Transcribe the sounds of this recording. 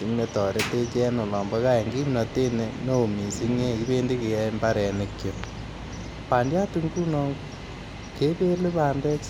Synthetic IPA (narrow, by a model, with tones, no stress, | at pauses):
i˨˦ŋne˦tɔ˨ɾe˦te˦t͡ʃɛ˦no˨lɔ˨mbɔ˦ka˦e˨ŋɡi˦mnɔ˨te˦neno˦o˨mi˨si˦ŋe˦ki˦be˦ndi˦ke˨jɛ˦mba˦ɾɛ˨nekjo˨ | pa˨ndja˦tu˦ŋku˦nɔŋ | ke˦be˦le˦βa˨ndɛ˦k